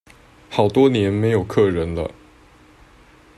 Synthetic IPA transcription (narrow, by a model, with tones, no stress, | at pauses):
xɑ˨˩ʊt̪wɔ˥njɛ˧˥nme˧˥ɪjo˨˩ʊkʰɤ˥˩ɻə˧˥nd̪ə̰˧